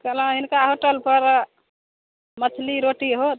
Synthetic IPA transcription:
kələ̃ɦinkaɦoʈəlpəɾ | mət͡ʃʰliɾoʈiɦot̪

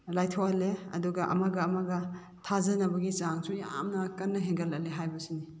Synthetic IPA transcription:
lajtʰoaleɐ̰duɡɐʔɐ̰maɡɐːmaɡɐ | tʰazɐnɐbɐɡit͡ʃaŋsuja̰mnɐkɐnːɐɦeŋɡɐlɐleɦajbɐsini

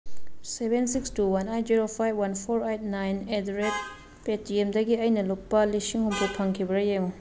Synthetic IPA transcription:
sebensik̚stʰuːwanajt̪̚ziɾofajbwanfɔɹejt̪̚najnɛd̪ɾek | peːt̪̚ːiemd̪aɡiʔajnalupːaliʃiŋhumpʰupʰaŋkʰibɾajew

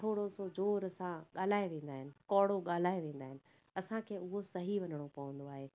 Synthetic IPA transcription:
ʈʰoːɽosod͡ʑoːɾɐsãɠaːl̤aːeʋẽːn̆d̪aːɦɪnɪ̆kɔːɽoɠaːl̤aːeʋẽːn̆d̪aːɦɪnɪ̆ | ɐsãkʰeːʊɦosɐɦiʋɐnəɽ̃opɐʋə̃nd̪oaːɦeː

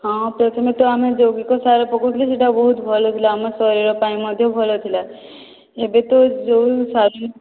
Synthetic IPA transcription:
ɦãpɾɔt̪ʰimẽt̪oamẽd͡ʒowɡikosaɾopɔkot̪ʰileseʈabɔɦut̪bʱɔlot̪ʰilaːmasɔɾiɾopaĩmɔd̪ʱjobʱɔlot̪ʰila | ebet̪od͡ʒowsaɾu

